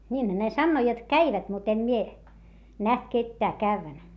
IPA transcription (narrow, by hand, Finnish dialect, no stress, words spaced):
niːnhæ ne sɑnːoː jot kæiʋæt mut em mie næht ketːæː kæʋːæn